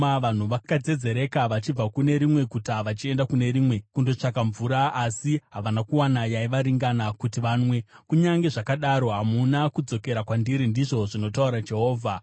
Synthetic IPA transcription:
aʋan̤uʋakad͡ze̞d͡ze̞ɾe̞kaʋat͡ʃib͡vakune̞ɾimwe̞kutaʋat͡ʃie̞ndakune̞ɾiːmwe̞kundo̞t͡ʂak̬aɱvuɾaasiɦaʋanakuwanajaiʋaɾiŋɡanakutiʋaːnwe̞kuɲaŋɡe̞ʐakaɗaɾo̞ɦamunakud͡zo̞ke̞ɾakwandiɾindiʐo̞ʐino̞tauɾad͡ʒe̞ɦo̞ːvʱa

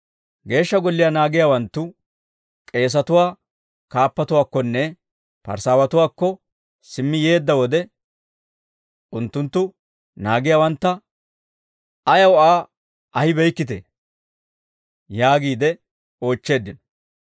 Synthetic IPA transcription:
ɡe̞ːʃːɐɡɔlːɪjaːnaːɡɪjaːwɐnt̪ːʊ | kʼe̞ːs̬ɐt̪ʊwaː | kaːpːɐt̪ʊwaːkːɔnːɛ | pɐ̰ɾsaːwɐt̪ʊwaːkːɔ | sɪmːɪje̞ːd̪ːɐwɔd̪ɛ | ʔʊnt̪ːʊnt̪ːʊ | naːɡɪjaːwɐnt̪ːɐ | ɐjɐwaː | ʔɐhɪbɛjkːɪt̪ḛː | jaːɡiːd̪ɛ | o̞ːt͡ʃːe̞ːd̪ːɪnɔ

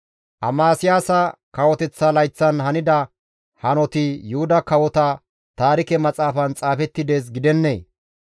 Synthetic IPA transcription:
ʔɐmaːsɪjaːsɐkɐwɔt̪ɛt͡sːɐlɐjt͡sːɐnhɐnɪd̪ɐ | hɐnɔt̪ɪjʊhʊd̪ɐkɐwɔt̪ɐ | t̪aːɾɪkɛmɐt͡sʼaːfɐnt͡sʼaːfɛt̪ːɪd̪eːs̬ɡɪd̪ɛnːḛː

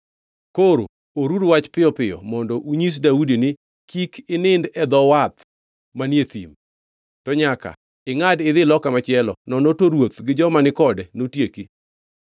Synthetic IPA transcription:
koɾo̰ | oɾudwat͡ʃpɪjɔpɪjɔ̰mɔndɔʔuɲis̬daudinɪ | kikɪnɪndɛd̪ɔwat̪ | manet̪ḭm | tɔɲaka̰ | ɪŋadɪðɪlɔkamat͡ʃɪɛlɔ̰nɔnotoɾwot̪ɡɪd͡ʒɔmanɪkɔdɛnotjeki

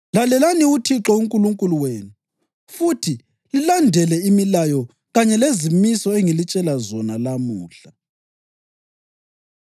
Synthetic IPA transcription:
lalɛlaniutʰiǁɔuŋkʼuluŋkʼuluweːnu | futʰi | lilandʱɛlɛimilajɔ | ɣaɲɛlezimisɔeŋilit͡ʃʼɛlazɔnalamuːɬa

